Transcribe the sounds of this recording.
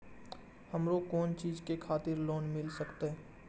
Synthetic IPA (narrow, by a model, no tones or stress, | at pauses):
həmɾokɔːnt͡ʃiːzkekʰaːt̪ɪɾloːnmɪlsəkt̪e